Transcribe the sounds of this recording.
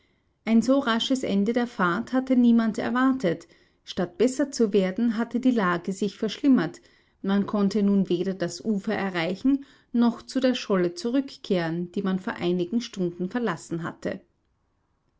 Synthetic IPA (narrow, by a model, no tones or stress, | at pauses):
ʔaɪnzoːʁaʃəsʔɛ̰ndədeːɐfaɐthatəniːmantɛ̰ɐvaɐtʰət | ʃtat̚b̥ɛsɐt͡suveːɐdn̩ɦatədiːlaːɡəzɪçfɛɐʃlɪmɐt | mankʰɔntənuːnveːɾɐdasʔuːfɐʔɛɐʁaɪçn̩ | nɔχt͡sudeːɐʃɔlət͡suʁʏkkʰːeːʁənd̥iːmanfoːɐʔaɪnɪɡŋ̩ʃtʊndn̩fɛɐlasn̩ɦa̰tʰə̰